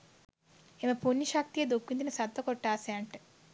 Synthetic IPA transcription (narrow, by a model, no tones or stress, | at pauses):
emɐpunːiʃɐk̚t̪ijed̪okːind̪inɐsɐd̪ʋɐkɔʈːaːsaːɳʈɨ̥